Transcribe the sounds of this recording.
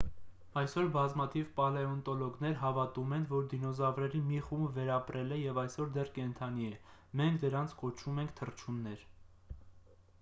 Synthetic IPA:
ɑjsɔɾbɑzmɑt̪ʰivpɑlɛɔnt̪ɔlɔɡn̪ɛɾɦɑvɑt̪umɛnvɔɾd̪inɔzɑvɾɛɾimiχumbvɛɾɑpɾɛlɛjɛvɑjsɔɾd̪ɛrkɛnt̪ʰɑniɛmɛŋkʰd̪əɾɑnt͡sʰkɔt͡ʃʰumɛŋkʰt̪ʰərt͡ʃʰunːɛɾ

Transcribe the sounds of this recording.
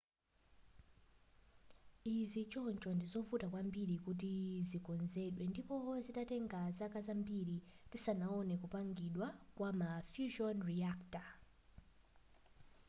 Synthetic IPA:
izit͡ʃɔnt͡ʃɔndizɔvutakwambiɾikut̬izikɔnzɛɗwɛndipɔzitatɛŋɡazakazambiɾitisanaɔnɛkupaŋɡiɗwakwamafjuʃɔnriakta

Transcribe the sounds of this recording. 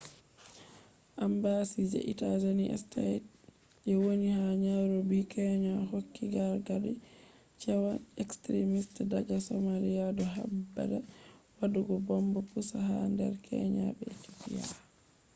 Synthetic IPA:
ʔambasid͡ʒɛ̰ʔitazaniʔɛ̰stat | ʔɛwonihaɲaɾobikʰɛɲahokːiɡaɾɡadɛ | t͡ʃɛwanɛkstɾimistdad͡ʒasɔmalijadɔɦa̰bːa̰dɛwaɗuɡɔbɔmbɔpusaɦandɛ̰ɾkʰɛ̰ɲa̰ɓɛt͡ʃupija̰

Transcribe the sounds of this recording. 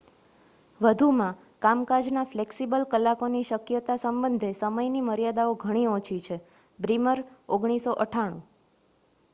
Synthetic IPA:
ʋəd̪ʱumã | kamkad͡ʒnafleksibəlkəlːakoniʃəkjət̪asəmbənd̪ʱesəməjniməɾjad̪aoɡʱəɽ̃iot͡ʃʰit͡ʃʰe | bɾiməɾoɡɳ̃isoʔəʈʰaɽ̃ṵ̃

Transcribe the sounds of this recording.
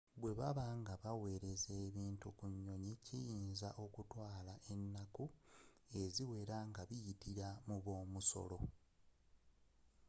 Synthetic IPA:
βwe̞βaβaŋɡaβawe̞ːɾe̞ze̞ːβiːntukuɲːo̞ɲicijiːnzaʔo̞kutwaːlaʔe̞nːaku | e̞ziwe̞ɾaŋɡaβijitiɾamuβo̞ːmuso̞̰lo̞

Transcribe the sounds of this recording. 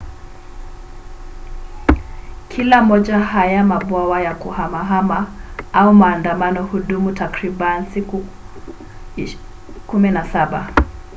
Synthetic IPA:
kʰilamɔʄahajamaɓwawajakuhamaɦamaaumaːndamanɔhuɗumutakɾiɓanisiku | kumɛnasaɓa

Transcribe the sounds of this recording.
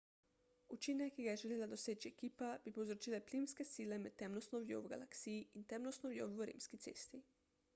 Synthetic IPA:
ut͡ʃiːnɛkːiɡajɛʒɛleːlad̪ɔseːt͡ʃiɛkiːpab̥ipowzɾɔt͡ʃiːlɛplimskɛsiːlɛmɛt̪ːɛmlɔst̪nɔʋjo̰wɡa̰laksijiint̪ɛmlɔst̪nɔʋjo̰wəɾḭːmskit̪sḛːst̪i

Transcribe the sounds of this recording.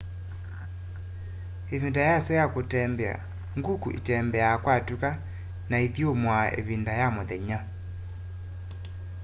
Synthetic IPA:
evindajasɛjakotɛmbɛa̰ | ŋɡukṵʔḭtɛmbɛakwatuka | naiðiomwaʔḛβindajamoðɛɲa

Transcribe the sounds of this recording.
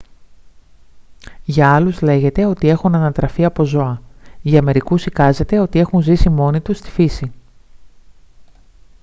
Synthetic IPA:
ʝɐɐluzle̞ʝe̞t̪e̞o̞t̪ie̞xunɐnɐt̪ɾɐfiɐpo̞zo̞ɐʝɐːme̞ɾikusikɐze̞t̪e̞o̞t̪ie̞xunzisimo̞nit̪ust̪i̥fisi

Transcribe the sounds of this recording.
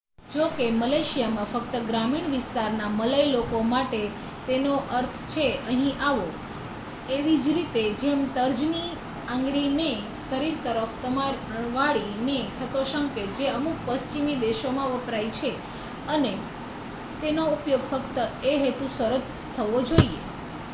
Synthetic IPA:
d͡ʒokeməleʃijamãfək̚t̪əɡɾamiɳʋɪst̪aɾnamələjlokomaʈe | t̪enoʔəɾt̪ʰt͡ʃʰeəɦĩʔaʋo | eʋid͡ʒɾit̪ed͡ʒemt̪əɾd͡ʒni | ãŋɡɭine | səɾiɾt̪əɾəft̪əma | ʋaɭinet̪ʰət̪oʃə̃ŋked͡ʒeəmuk̚pəst͡ʃimid̪eʃomãʋəpɾajt͡ʃʰe | əne | t̪enoupjoɡfəkt̪əeɦet̪ũsəɾət̪ | t̪ʰːəʋod͡ʒoiḛ

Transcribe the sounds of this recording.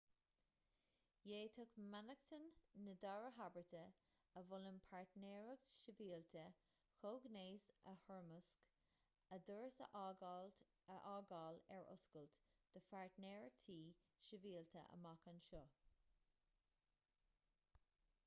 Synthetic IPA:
jeːt̪ʰʊkmanəkt̪ʰənːəd̪ɔɹəɦabəɹt̪ʰə | əvʊləmpʰaɹt̪nɛːɹəɡ̚ʃəviːlt̪ʰə | xoːɡneːsə̰hɔɹməsk | əd̪əɹsə̰ʔ | əʔɑːɡɑːlɛɹʊ̰skəlt̪d̪̥əfaɹt̪nɛːɹəɡ̥̚t̪ʰiː | ʃəviːlt̪ʰə̰ʔə̰makənʃɔ

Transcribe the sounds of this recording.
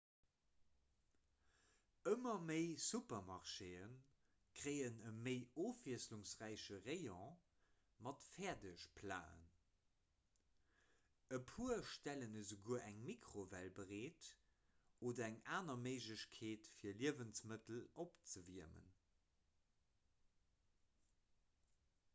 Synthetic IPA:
əmɐməɪsupɐmɑʁʃeːən | kʁ̥əɪənəməɪoːfiəsluŋsʁæɪɕəʁeɪɔ̃ | mɑtfɛɐdəʃpʰla̰ːə̰n | əpʰuəʃtælənəzuɡuəʔæŋmikʁovælbəʁeːt | oːdɐæŋaːnɐməɪʒləɕkʰeːtfiːɐliəvənsmətəlopt͡səviəmə̰n

